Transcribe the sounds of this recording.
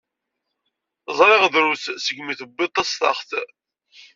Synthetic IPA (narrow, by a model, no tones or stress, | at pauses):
zˤɾˤɪʁðɾuθsəɡmiθəbːɪt̪ˤːɑst̪ɑ̰χθ